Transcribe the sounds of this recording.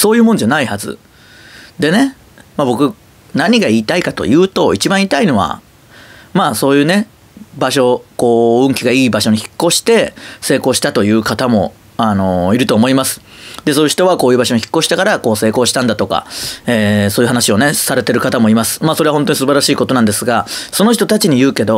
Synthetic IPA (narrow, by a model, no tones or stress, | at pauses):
so̞ːjɯ̟ːmõ̞nd͡ʑanaihazɨ̰ | d̪e̞ne̞ | mabo̞kɯ̟ | naɲ̟iɡaiːt̪aikat̪o̞̰jɯ̟ːt̪o̞it͡ɕibãɰ̃iːt̪aino̞βa̰ | maːso̞ːjɯ̟ːne̞ | baɕo̞ko̞ːɯ̟̃ŋkʲiɡaiːbaɕo̞ɲ̟içi̥kːo̞ɕi̥t̪e̞se̞ːkoːɕi̥t̪at̪o̞jɯ̟ːkat̪amo̞ | ano̞iɾɯ̟t̪o̞ːmo̞imasɨ̥ | d̪e̞so̞ːjɯ̟çi̥t̪o̞β̞ako̞ːjɯ̟ːbaɕo̞ɲ̟içi̥kːo̞ɕi̥t̪ekaɾako̞ːse̞ːko̞ːɕi̥t̪ãnd̪at̪o̞ka̰eːso̞ːjɯ̟ɦanaɕio̞ne̞saɾe̞t̪e̞ɾɯ̟kat̪amo̞imasɨ̥maːsoɾeaɦont̪oɲ̟isɨbaɾaɕiːkot̪o̞nãnd̪e̞sɨɡaso̞no̞çi̥t̪o̞t̪at͡ɕiɲ̟ijɯ̟ːke̞d̪o̞